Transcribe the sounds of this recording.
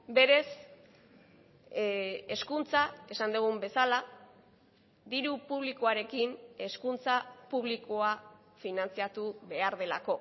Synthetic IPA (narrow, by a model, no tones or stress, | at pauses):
be̞ɾe̞s | e̞skunt͡sae̞sand̪uɣ̞umbe̞sala | d̪iɾupuβ̞likoaɾe̞kine̞skunt͡sapuβ̞likoa | finant͡siat̪uβe̞aɾðe̞la̰ko̞